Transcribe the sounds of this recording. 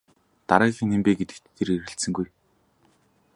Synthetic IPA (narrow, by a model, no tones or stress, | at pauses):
t̪aɾæːxʲĭŋempeːɡet̪ɘ̆kt̪ːʰeɾeɾɘ̆ɬt̪sɘ̆ŋɡuj